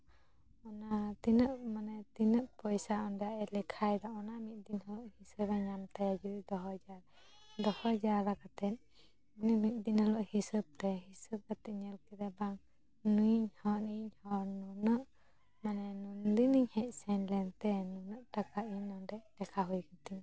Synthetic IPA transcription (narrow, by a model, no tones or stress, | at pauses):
ɔnat̪inəʔmanɛt̪inəʔpɔjsaɔnɖɛaʔɛlɛkʰajd̪aɔnamit̪̚ˀd̪inhɔlɔʔhisəbaɲamt̪ajad͡ʒud̪id̪ɔɦɔd͡ʒaɾ | d̪ɔhɔd͡ʒaɾakat̪ɛn̚ | anɛmit̪̚ˀd̪inhɔlɔʔhisəb̚t̪ɛɦisəb̚kat̪iʔɲəlkiɾɛbaŋ | nujɲhɔniɲhɔɾnunəʔ | manɛnund̪iniɲhɛc̚ˀsɛnlɛnt̪ɛnunəʔʈakaiɲɔnɖɛʔlɛkʰaɦujkat̪iɲ